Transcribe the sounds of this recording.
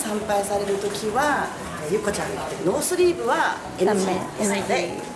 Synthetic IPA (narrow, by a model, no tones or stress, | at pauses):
sãmpaisaɾe̞ɾɯ̟t̪o̞kʲiβa | jɯkot͡ɕãŋt̪ːenoːsɨɾʲiːbɯ̟βa | enaã | esaia